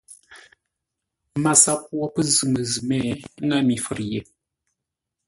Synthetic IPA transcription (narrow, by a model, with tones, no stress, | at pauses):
ma˨sa˦p̚wɔ˦pə˦zɨ˨mə˨zɨ˨mɛ˦˨˦ŋa˦mi˨fə˨ɾje˨